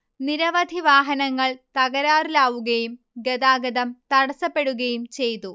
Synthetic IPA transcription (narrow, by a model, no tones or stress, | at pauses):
niɾɐʋɐd̪ʱiʋaːɦɐnɐŋːɐɭt̪ɐɣɐɾaːrilaːʋuɣɐjum | ɡed̪aːɡɐðɐmt̪ɐɽɐsɐpːe̞ɽuɣɐjumt͡ɕejt̪u